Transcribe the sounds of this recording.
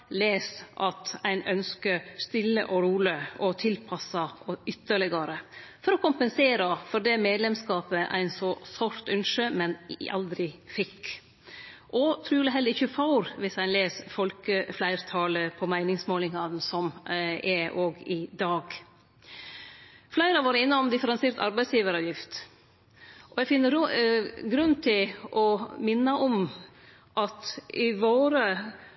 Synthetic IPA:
leːsʔɑt̪æɪnʔœnskəɾst̪ɪlːə̰ʔɔɾuːləʔɔt̪ʰɪlpʰɑsɑɔʏt̪ːəɭɛɡɑɾəfɔɾɔkʊmpənseːɾɑfɔɾd̪ɛmeːd̪lɛmskɑːpəʔæ̰ɪnsɔsɔɾt̪ʉnʂəmɛnʔɑ̰ld̪ɾɪfɪkː | ʔɔt̪ʰɾʉːlɪɦɛlːəɾɪçəfɑʊɾʋɪsæɪnleːsfɔlkəflæɪɾt̪ʰɑːləpʰɔmæɪnɪŋsmoːlɪŋɑnsɔmɛʔoːɡɪd̪ɑːɡ | flæɪɾɑʋɑːɾəɪnːəɔmd̪ɪfəɾɛnseːɾt̪ɑ̰ɾbæɪsjiːʋəɾɑʋjɪft̪ | ʔɔɛɡfɪnːəɾ | ɡɾʉnːt̪ʰɪlʔɔmɪnːɑʔɔm | ʔɑt̪ɪʋoːɾə

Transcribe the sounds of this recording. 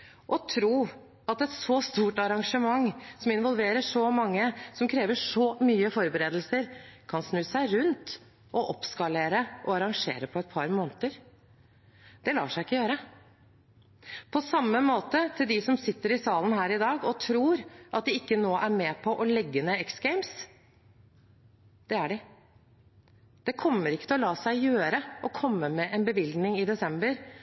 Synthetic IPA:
ʔɔt̪ʰɾuː | ɑt̪ɛt̪sɔst̪uːʈɑɾɑŋʂəmɑŋsɔmɪnʋɔlˠʋeːɾəʂɔmɑŋːəsɔmkʰɾeːʋəʂɔmyːəfɔɾbəɾeːd̪lsəɾkʰɑnsnʉːsæɪɾʉnt̪ | ʔɔʔɔpskɑleːɾəʔɔɑɾɑŋʂḛːɾəpʰɔɛt̪̚pʰɑɾmoːnət̪əɾ | d̪ɛlɑ̰ːʂæɪɪkːəjøːɾə | pʰɔsɑmːəmoːt̪ət̪ʰɪld̪ɪsɔmsɪt̪ːəɾɪsɑːlənhæːɾɪd̪ɑːɡɔt̪ʰɾuːɾʔɑt̪̚d̪ɪɪkːənoːʔæɾmɛːpʰɔʔɔlɛɡːənəɛksɡɛɪms | d̪̥ɛæɖɪ | d̪̥ɛkʰɔmːəɾɪkːət̪ɛlɔlɑːsæɪjøːɾəʔɔkʰɔmːəmɛʔɛnbəʋɪlɡ̪nɪŋɪd̪ɛsɛmbəɾ

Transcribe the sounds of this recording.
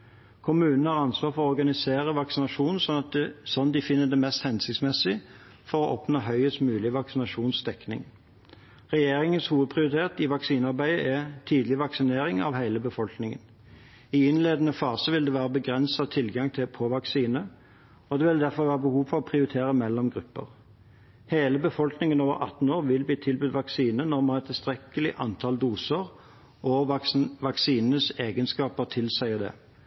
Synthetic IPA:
kʰʊmʉːnn̩hɑʁɑnsʋɑːʁfɔʁɔɔɾɡɑnɪseːʁəʋɑksɪnɑʂuːnnsɔnɑt̪̚sɔnd̪ɪfɪnːəd̪ɛmɛst̪hɛnsɪkt̪smɛsːɪ | fɔʁɔʔɔːpnoːɦœʏəst̪mʉːlɪəʋɑksɪnɑʂuːnsd̪ɛknɪ̰ŋ | ʁɛjeːɾɪŋənshuːʋəd̪̚pʰʁɪʊɾɪt̪ʰeːʁt̪ɪʋɑksiːnɑʁbæɪəʔɛt̪ʰiːd̪lɪʋɑksɪneːɾɪŋɑ̰ʋhæɪləbəfɔlknɪŋə̰n | ɪɪnleːd̪ənəfɑːsəʋɪld̪ɛʋæːʁəbəɡʁɛnsɑt̪ʰɪlɡɑŋt̪ʰɪlpʰoːʋɑksiːnə | ɔd̪ɛʋɪld̪æʁfɔʁʋæːʁəbəhuːʋfɔʁɔpʰʁɪʊɾɪt̪ʰeːʁəmɛlːɔmɡʁʉpːə̰ʁ | heːləbəfɔlknɪŋənoːʋə̰ɾʔɑ̰t̪ːn̩oːʁʋɪlbliːt̪ʰɪlbʉd̪ʋɑksiːnənɔʁmɑnɛt̪ʰːɪlst̪ʁɛkːəlɪʔɑ̰nt̪ʰɑld̪uːsəʁ | ʔɔʋɑksiːnənəseːɡənskɑːpəʁt̪ʰɪlsæɪəd̪ɛ̰ː

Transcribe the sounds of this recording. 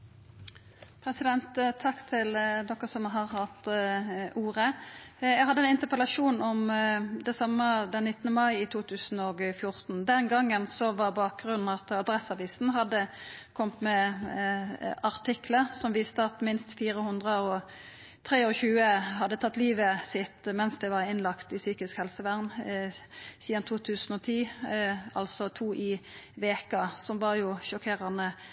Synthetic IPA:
pʰɾɛsɪd̪ɛnt̪t̪ʰːɑkːt̪ʰɪld̪ɔkːəsɔmɦɑʁhɑt̪ | uːʁəjæɡhɑd̪ːəɛnɪnt̪əpəlɑʃuːnɔmd̪ɛsɑmːəd̪ɛnːɪt̪ːənəmɑɪɪt̪ʰuːt̪ʰʉːsn̩ɔɡfjʊʁt̪n̩d̪ɛnɡɑŋːənsɔʋɑbɑːk̚ɡʁʉn̩ːɑt̪ɑd̪ɾɛsːɑʋiːsn̩ɦɑd̪ːəkʰɔmt̪mɛ | ɑʁt̪ʰɪkləsɔmʋiːst̪əɑt̪mɪnst̪fiːɾəhʉnd̪ʁəɔ | t̪ʰʁeːɔçʉːəɦɑd̪ːət̪ʰɑt̪ːliːʋəsɪt̪mɛnsd̪ɛɪʋɑʁɪnlɑkt̪ɪsyːkɪskhɛlsəʋæʁn | siːɑnt̪ʰuːt̪ʰʉːsn̩ɔt̪ʰiː | ɑlsɔt̪ʰuːʔɪʋeːkɑsɔmʋɑʁjʊʃɔkʰeːʁənə

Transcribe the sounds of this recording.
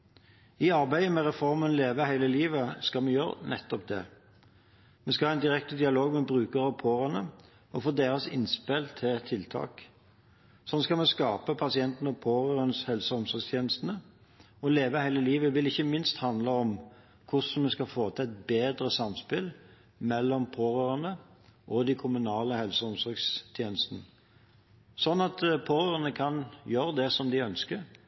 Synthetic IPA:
ɪɑɾbæɪəmɛʁɛfɔʁmənleːʋəhæɪləliːʋəskɑmɛjø̰ːɾnʔɛ̰t̪ːɔp̚d̪ɛ̰ | mɛskɑæɪnd̪ɪʁɛk̚t̪əd̪ɪɑloːɡmɛbʁʉːkəɾɑpʰoːʁənə | ɔfoːd̪eːɾəsɪ̰nspelt̪ʰːɪt̪ʰɪlt̪ʰɑ̰ːk | sɔnskɑlmɛskɑːpəpʰɑsɪɛnt̪n̩ɔpʰoːʁəʁənəshɛlsəɔmsɔst̪ʰjeːnəst̪nə | ɔleːʋəhæɪləliːʋəʋɪlɪçːəmɪnst̪hɑnd̪ləɔm | kʰʊsɔnmɛskɑfoːt̪ʰəɛt̪̚beːd̪ɾəsɑmspɪl | mɛlːɔmpʰoːɾøːɾənəʔɔd̪ɪkʰʊmʉnɑːləhɛlsəɔmsɔɾɡst̪ʰjeːnəst̪ənə | sɔnːɑt̪pʰoːɾøːʁənəkʰɑnjøːɾəd̪ɛsɔmd̪ɪœnskəɾ

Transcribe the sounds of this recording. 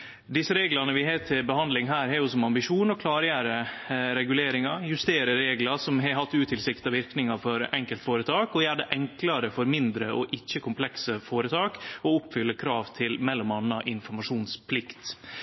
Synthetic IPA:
d̪ɪsːəɾeːɡlɑnəʋɪɦeːt̪ʰːɪbəhɑnd̪lɪŋɦæːɾhɛɾjʊsɔmɑmbɪʂuːnɔkʰlɑːɾjæːɾəɾɛɡʉleːɾɪŋɑjʉst̪eːɾəɾeːɡlɑsɔmɦɛɦɑt̪ːʉːt̪ʰɪlsɪkt̪ɑʋɪɾknɪŋɑfɔɾɛŋkəlt̪foːɾət̪ʰɑːkɔjæːɖɛʔɛŋklɑɾəfɔɾmɪnd̪ɾəʔɔʔɪçːəkʰʊmpʰlɛksəfoːɾət̪ʰɑːkɔʊpːfʏlːəkʰɾɑːʋt̪ʰɪlmɛlːɔmɑnːɑʔɪnfɔɾmɑʂuːnspʰlɪkt̪

